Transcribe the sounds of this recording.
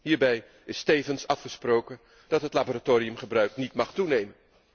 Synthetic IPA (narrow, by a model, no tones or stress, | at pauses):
ɦiːɹbɛj | ɪstejvənsɑfχəsprowkən | d̥ɑtɦətlaboːɾatoːɾijɵmχəbrœɥknitmɑχtunejmən